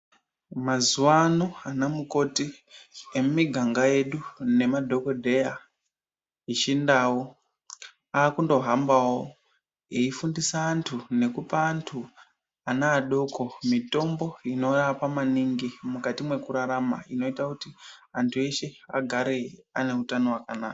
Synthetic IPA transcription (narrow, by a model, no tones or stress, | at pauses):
mazuwanoanamuko̞ti | emumiɡʱaŋɡaje̞ɗune̞madʱo̞ko̞dʱe̞ja | it͡ʃindaːwo | aːkundo̞ɦambawo | eifundisaːntʰune̞kupaːntʰu | anaːɗo̞kʰo̞mito̞mbo̞ino̞rapamaniŋɡimukatimwe̞kuɾaɾamaino̞itakutiantʰue̞ʃe̞a̰ɡʱaɾe̞ane̞utano̞wakanaːka